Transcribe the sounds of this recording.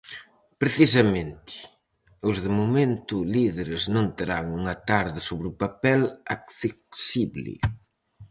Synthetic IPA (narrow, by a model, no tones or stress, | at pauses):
pɾeθis̬ɐmẽnt̪ɪ̥ | ozðemumẽnt̪ʊliðeɾeznõnt̪eɾaŋuŋɐt̪aɾðɪsoβɾupapɛlakθeksiβlɪ̰